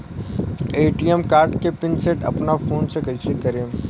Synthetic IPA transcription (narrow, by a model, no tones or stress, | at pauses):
eːʈijemkaːɾʈkepɪnseʈɐ̰pnafʰoːnsekɐisekɐɾẽː